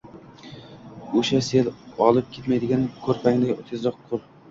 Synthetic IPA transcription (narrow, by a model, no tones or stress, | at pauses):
oʃaselɒlˠɪp̚kʲe̞t̪majd̪ɪɡʲankʲʰɵɾpʰaŋlɪjot̪ʰɪzɾɒqʰːʊlˠ